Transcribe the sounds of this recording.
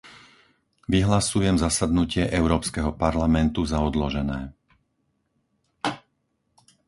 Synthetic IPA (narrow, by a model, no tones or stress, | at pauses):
ʋiɦlasujɛmzasad̪nucɪɛʔɛʊɾɔːpskɛɦɔpaɾlamɛnt̪uzaɔd̪lɔʒɛnɛː